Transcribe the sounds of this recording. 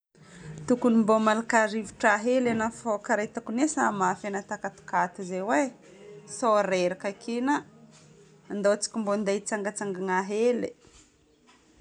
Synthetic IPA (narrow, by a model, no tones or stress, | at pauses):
t̪ukunimbomalakaɾiviʈ͡ʂaɦelenafokaɾet̪akunesamafenat̪akat̪u̥kat̪izewe | soɾeɾakakenaː | nd̪ot͡si̥kʲimbond̪ejt͡saŋɡət͡saŋɡaŋaɦele